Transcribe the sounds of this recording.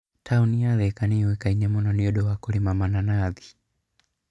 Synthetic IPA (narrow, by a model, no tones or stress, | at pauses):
tʰauniaðɛkaniwɛkainɛmɔnɔniɔɗɔwakɔlimamananaði̥